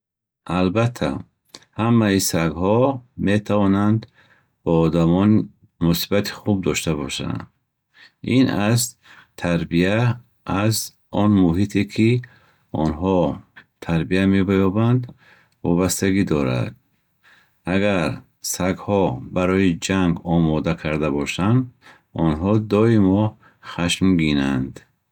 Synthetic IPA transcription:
ʔalbat̪ʰːa̰ | hamːaisaɡhɔmet̪ʰavɔnand̪ | b̥ɔːd̪amɔni | musibat̪ʰi̥χub̚d̪ɔʃt̪abɔʃa̰nd̪ | inaz | t̪ʰaɾbiaː | z | ɔnmuɦit̪ʰekʰi | ɔnɦɔt̪ʰaɾbiame̞bajɔband̪ | vɔbast̪aɡid̪ɔɾa̰d̪̚ | aɡaɾ | saɡhɔbaɾɔid͡ʒaŋɡɔmɔd̪akʰaɾd̪abɔʃand̪ | ɔnɦɔd̪ɔimɔ | χaʃmɡinand̪

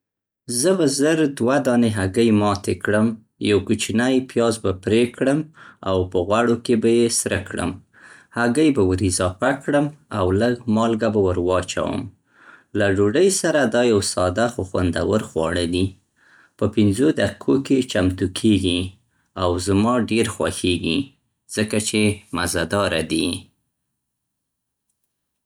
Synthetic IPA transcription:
zəbazəɾd̪wad̪ɑneɦaɡəjmɑt̪ekɽəm | jawkut͡ʃinajpjɑzbapɾekɽəma̰wpəɣwaɽokebajesɾəkɽə̰m | haɡəjbawəɾizɑpakɽəmawləɡmɑlɡabawəɾwɑt͡ʃa̰wə̰m | laɖoɖəjsaɾad̪ɑjawsɑd̪axoxwa̰nd̪a̰wəɾxwɑ̰ɽəd̪i | pəpɪnzod̪akikʰoket͡ʃamt̪ukʰeɡi | awzmɑɖeɾxwa̰xeɡi | z̥əkat͡ʃemazad̪ɑɾad̪i

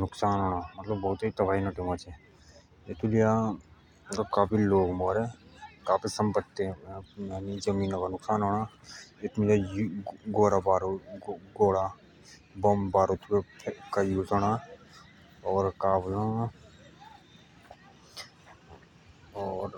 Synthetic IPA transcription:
nʊksaːnɦoːɽ̃aːmɐt̪ləbːɐːʊt̪it̪ɐbaːɦinaʈɪmat͡ʃe | et̪ʰulija | kakaːpʰiloːɡmoːɾẽkaːpʰisɐmpət̪ːeaːnizəmiːnokanʊksaːnɦoːɽaet̪milajɡoːɾabaːɾoɡoːɽa | bɐmbaːɾot̪ʰwepʰkajuːd͡ʒoɽa | ɔːɾkaːblã | ɔːɾ

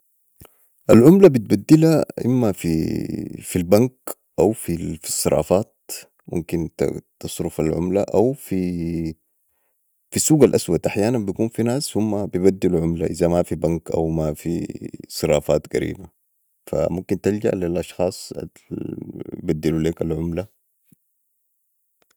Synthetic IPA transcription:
ʔalʕʊmlabit̪̚bad̪ːilaʔḭmːafi | filbaŋk | ʔawfifi̥sˤːɨɾˤɑ̰ːfaːt̪̚ | mṵmkint̪t̪ɑsˤɾʊfalʕʊ̰mlaʔawfi | fisːuːɡalʔaswad̪ʔaħjaːnanbijakuːnfinaːsːumːabijbad̪ːiluʕʊmlaʔizamafibaŋkʔa̰wmafḭsˤɨɾˤɑ̰ːfaːt̪ɡaɾḭːba | fa̰mumkint̪ild͡ʒa̰ʔlilʔɑʃxɑːsˤa̰ | bad̪ːiluleːkalʕʊmla

